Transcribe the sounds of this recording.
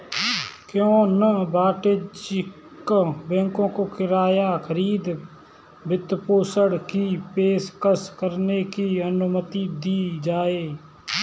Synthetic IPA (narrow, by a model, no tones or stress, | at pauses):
kjõːnəbaːʈed͡ʒ | kbɛ̃ːŋkõkokɪɾaːjakʰəɾiːd̪ | bɪt̪poːsəɽkipeːʃkəskəɾnekiənʊmət̪id̪iːd͡ʒaːeː